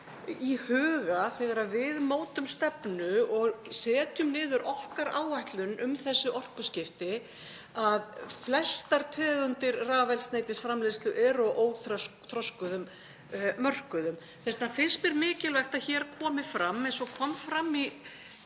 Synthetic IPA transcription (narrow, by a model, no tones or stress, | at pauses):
ihʏːɣaθɛɣaɾaðvɪðmoːwt̪ʏmst̪ɛpnʏɔɣsɛːt̪jʏmnɪːðʏɾʔɔhkaɾaːwajht̪lʏnʏmθɛsːʏʔɔr̥kʏscɪft̪ɪ | aðflɛst̪aɾt̪ʰɛːðʏnt̪ɪɾraːvɛjlsneːjt̪ɪsfɾamleðst̪lʏʔɛɾɔʔoːwθɾɔsθɾɔskʏðʏmː | œr̥kʏðʏm | θɛst̪nafɪnst̪mɛɾmɪːcɪlvɛxt̪aðçɛːɾkʰɔːmɪfɾamːɛnsɔkʰɔmfɾamːi